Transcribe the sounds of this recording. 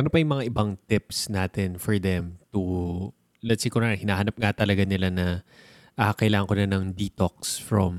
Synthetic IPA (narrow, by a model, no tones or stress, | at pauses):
ʔɐnopɐjʊŋmɐŋaʔɪbaŋt̪ɪpsnaːt̪ɪnfɔɹd̪ɛmt̪u | lɛt̪sikʊnahɪnaːɦɐnap̚ŋat̪ɐlɐɡanɪlanɐ | ʔakakɐʔɪlaːŋɐŋkonanɐŋd̪it̪ok̚sfɹɐm